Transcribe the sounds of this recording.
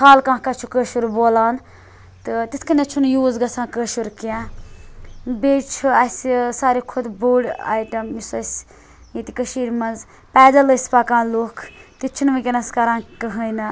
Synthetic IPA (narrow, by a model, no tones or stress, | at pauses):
kʰaːlkãːkat͡ʃʰukəːʃuɾboːlaːn | t̪ɨt̪it̪ʰkɐnɐt͡ʃʰunjuːzɡɐsʰãːkəːʃuɾkã | beːt͡ʃʰuɐsʲsaːɾikʰud̪buːɽa̰ːjʈɐmisɐsʲ | jit̪ikəʃiːɾʲmɐnz | pɛːdɐləsʲpaːkãːnloːkʰt̪it͡ʃʰunmɐkʲɐnɐskɐɾãːnkɐɦəjnɐ